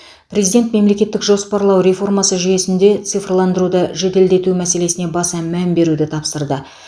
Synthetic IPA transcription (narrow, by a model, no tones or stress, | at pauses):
pʰrʲe̞zijd̪ʲe̞nt̪me̞mle̞kʲe̞t̪ːɪkʒo̞spɑɾlˠɑwɾe̞fo̞rmɑsəʒʏje̞sɪnd̪e̞t̪sɨjfrlˠɑnd̪əɾud̪əʒed̪e̞ld̪e̞t̪umæse̞le̞sɪne̞bɑsɑmæmbe̞ɾud̪ɪt̪ʰɑpsəɾd̪ə